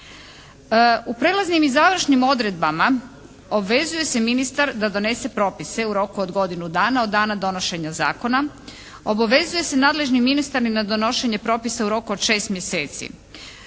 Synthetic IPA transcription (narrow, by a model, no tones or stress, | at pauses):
upɾe̞laznimizaʋɾ̩ʃnimo̞d̪ɾe̞d̪̚bama | o̞bʋe̞zuje̞se̞minist̪aɾd̪ad̪o̞ne̞se̞pɾo̞ːpise̞uɾo̞kuod̪ɡo̞d̪inud̪aːnao̞d̪ːaːnad̪o̞no̞ʃe̞ɲaza̰ːko̞na | o̞baʋe̞zuje̞se̞naːd̪le̞ʒniminist̪aɾimnad̪o̞no̞ʃe̞ɲe̞pɾo̞ːpisauɾo̞kuod̪̥ʃe̞ːst̪mje̞se̞ːt̪sḭ